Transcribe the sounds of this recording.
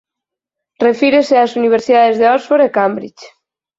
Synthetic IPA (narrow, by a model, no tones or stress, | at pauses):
refiɾeseasuniβ̞eɾsiðaðezðeɔzβoɾekambɾḭt͡ʃ